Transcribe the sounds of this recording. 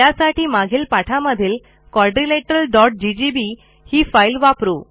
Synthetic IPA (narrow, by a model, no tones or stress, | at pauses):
asaʈʰiːmaɡʱiːlpaʈʰaməd̪ʱiːl | kɔɾɖɾileʈəɾəlɖɔʈ̚ɖid͡ʑibi | hiːfailʋapɾu